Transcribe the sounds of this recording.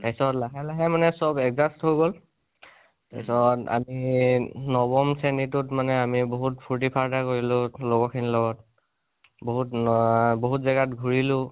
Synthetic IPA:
tajsɔtlaɦɛlaɦɛmanɛsɔbɛkɡzastɦojɡol | ta̰sɔta̰mi | nɔbɔmsenitʊtmanɛamiboɦutpʰuɹt̬ipʰaɹdakoɹilʊloɡɔkʰinilɔɡɔt | boɦutboɦutzaɡatɡʱuɹilʊ̃

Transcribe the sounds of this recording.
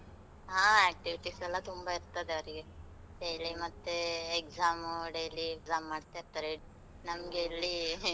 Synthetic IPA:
ɦaːɛːk̚ʈiʋiʈisɛlːɐt̪umbɐiɾt̪ɐd̪eɐʋɐɾiɡe | ɖejlimɐt̪ːeːkzaːmɖejliekzaːmːaːɖt̪ajiɾt̪ɐɾe | nɐmɐɡe̞ilːi

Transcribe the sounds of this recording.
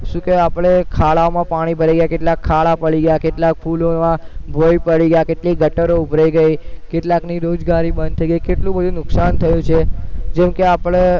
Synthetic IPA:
ʃũkeapɭ̃ekʰaɭaomãpaɽ̃ibʱəɾajɡəjakeʈlakʰːaɭapəɽiɡəjakeʈlak̚fʰulomãbʱoipəɽiɡəjakeʈliɡʱəʈəɾoubʱɾaiɡəikeʈlakniɾod͡ʒɡaɾibənd̪t̪ʰəiɡəikeʈlũbəd̪ʱũnʊksant̪ʰəjũt͡ʃʰed͡ʒɛmkeapəɭ̃e

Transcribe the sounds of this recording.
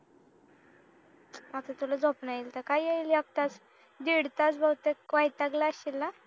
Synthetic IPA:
at̪at̪ulad͡zopnailt̪əɾkajaillaɡ̚t̪at͡s | d̪iɽt̪at͡sbawt̪ekʋajt̪aɡlaəɕilːa

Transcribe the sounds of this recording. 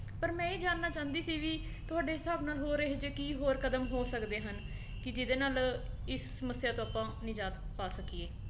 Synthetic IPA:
pəɾmɛ̃ːiːd͡ʒaːnːaːt͡ʃãːnd̪iːsiːʋiːt̪ʊaːɖeːɪsaːbnaːlɦoːɾeːɦed͡ʒekiːɦoːɾkəd̪əmɦoːsəkd̪eːɦən | kɪd͡ʒɪd̪eːnaːlɪssəməsjaːt̪õːaːpːãːnɪd͡ʒaːt̪paːsəkieː

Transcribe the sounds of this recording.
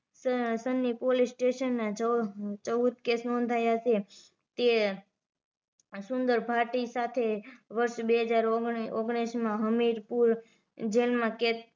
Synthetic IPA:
ssənːipolisʈeʃənːat͡ʃət͡ʃəʋud̪̚kesnond̪ʱajat͡ʃʰe | t̪e | sʊnd̪əɾbʱaʈisat̪ʰeʋəɾʃbeɦəd͡ʒaɾoɡɽismãɦəmiɾpuɾ | d͡ʒelmãket

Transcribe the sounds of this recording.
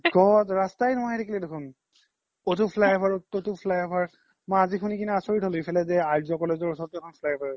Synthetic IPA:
ɡɔtɹastajnʊɦajdekʰilɛdekʰun | otupʰlajbʱaɹotupʰlajɔbaɹ | maazikʰunikinɛasoɹitɦoloipʰɛlɛzɛaɹdiɔkɔlɛzɔɹsʰɔtjɔkʰɔnfʰlajbʱaɹ

